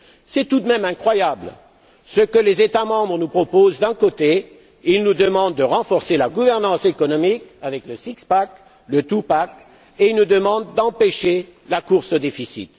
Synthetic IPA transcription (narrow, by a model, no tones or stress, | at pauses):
sɛt̪ud̪mɛmɛ̃kχwajabl | səkəlezet̪amɑ̃bʁənupχɔpozd̪ɛ̃kot̪e | ilnud̪əmɑ̃d̪̚ːəʁɑ̃fɔʁselaɡuvɛʁnɑ̃sekɔnɔmikavɛkləsikspak | lət̪upak | eilnud̪əmɑ̃d̪d̪ɑ̃peʃelakuʁsod̪efisḭt̪